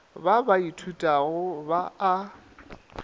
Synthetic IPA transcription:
babaitʰutʼaɣʊbaː

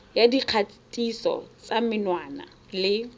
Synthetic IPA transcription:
jadiq͡χʰatʼisɔ̰t͡samɪnwaːna̰ | lɪ

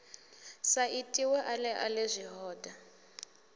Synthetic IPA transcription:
saʔitʼiwɛʔalɛʔalezʷiɦɔːda

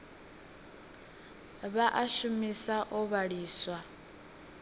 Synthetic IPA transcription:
βaʔaʃumisaʔɔβaɺiːswa

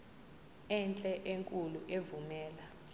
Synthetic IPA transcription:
ɛnt͡ɬʼɛʔeŋkʼuluʔevumɛːla

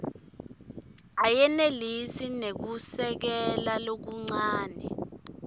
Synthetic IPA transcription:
ajɛnelisinek̬usɛk̬ɛlalok̬uŋ͡ǀaːnɛ̰

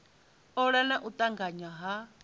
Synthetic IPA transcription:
ɔɺanaʔut̪ʼaŋɡaɲaɦa

